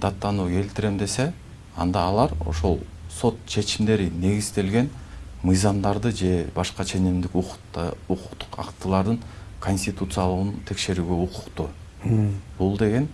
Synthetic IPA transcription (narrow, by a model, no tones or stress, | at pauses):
d̪̥ɑt̪ːɑnukʰe̞lt̪ɪɾe̞md̪e̞se̞ | ɑ̰nd̪ɑːlˠɑɾo̞̰ʃo̞̰lˠso̞t̪t͡ʃʰe̞t͡ʃimd̪e̞ɾine̞ɡiz̥t̪e̞lɡe̞nmɯjzɑmd̪ɑɾd̪ɯd͡ʒe̞bɑʃqɑt͡ʃʰe̞nimd̪iku | uqu̥qt̪u̥qɑ̰qt̪ɯlˠɑɾd̪ɯnkʰo̞nʲsʲt̪ʲit̪ut̪sɨjalˠəʁɯnt̪ʰe̞kʃe̞ɾyːɡø̞uqʰu̥qt̪u | b̥ulˠd̪e̞ɡe̞n